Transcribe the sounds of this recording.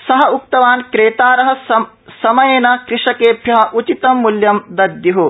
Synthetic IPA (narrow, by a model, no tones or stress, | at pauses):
sɐɦɐuk̚t̪ɐʋaːnkɾeːt̪aːɾɐɦɐ̆ | sɐmɐjeːnɐkɾɪʂɐkeːbʱjɐɦɐ̆ʔut͡ʃit̪ɐmːuljɐmd̪ɐd̪juɦu